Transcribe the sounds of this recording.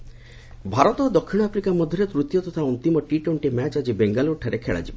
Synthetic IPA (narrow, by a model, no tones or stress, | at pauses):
bʱaɾɔt̪ɔd̪ɔkʰːiɽ̃ɔapɾikamɔd̪ʱjɔɾet̪ɾut̪jɔt̪ɔt̪ʰaɔnt̪imɔʈiʈowɳʈemɛt͡ʃad͡ʒibeŋɡaloːʈʰaɾekʰeɭa̰d͡ʒibɔ